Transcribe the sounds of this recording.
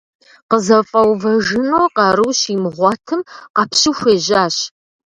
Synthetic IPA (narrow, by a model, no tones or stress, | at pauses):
qəzɐfʼɐwvɐʒʒɨnoːqɑːɾɨwɕimɨʁʷɑːtʰɨmqɑpʰɕɪxʷeːʑaːɕ